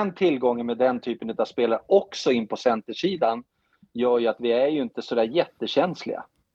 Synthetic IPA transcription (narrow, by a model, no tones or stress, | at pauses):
ɛnt̪ʰɪlːɡɔŋːənmeːd̪ɛnt̪ʰyːpənɵt̪av̥speːlaɾɔksɔɪnːpʰɔsɛnt̪əʂiːd̪an | jœːɾjɵat̪vɪæɾjɵɪnt̪əsɔd̪æːɾjɛt̪ːəɕɛnslɪ̰ɡa̰